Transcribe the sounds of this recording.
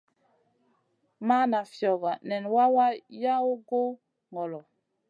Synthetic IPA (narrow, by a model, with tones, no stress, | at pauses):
ma˦na˨fjɔ˨ɣa˨nɛ˨nwa˦wa˦ja˦o˦ɡo˦ | ŋɔ˨lɔ˨